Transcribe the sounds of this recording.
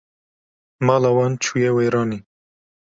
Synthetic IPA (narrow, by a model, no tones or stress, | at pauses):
mɑːlawɑnt͡ʃʰujɛweːɾɑːni